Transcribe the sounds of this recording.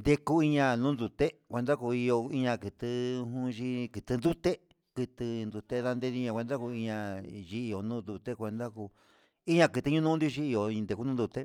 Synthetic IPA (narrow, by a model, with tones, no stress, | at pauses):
nd̪e˧ku˦i˧ɲã˧nũː˦nd̪u˧t̪e˦kʷe˧nd̪a˦ku˧i˧jo˧i˧ɲã˧kɨ˨t̪ɨ˧ɦũ˦˧ʒi˦kɨ˧t̪ɨ˧nd̪u˦t̪e˦ | kɨ˧t̪ɨ˧nd̪u˧t̪e˦ða˧nd̪e˧ði˧ɲã˧kʷe˧nd̪a˦ku˧i˧ɲã˧ʒi˧i˧jo˨nũ˦nd̪u˧t̪e˦kʷe˧nd̪a˦ku˧ | i˦ɲã˧kɨ˧t̪ɨ˧ɲũ˦nũ˦nd̪i˦˧ʃi˦i˧jõ˨˧nd̪e˧ku˧nũ˦d̪u˧t̪e˦